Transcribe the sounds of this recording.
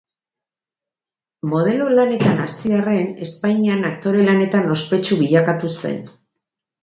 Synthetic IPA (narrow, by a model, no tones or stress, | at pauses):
mo̞ð̞e̞lolane̞t̪anasiare̞ne̞spajɲianakt̪o̞ɾe̞lane̞t̪ano̞spe̞t͡ʃuβiʎakat̪use̞̰n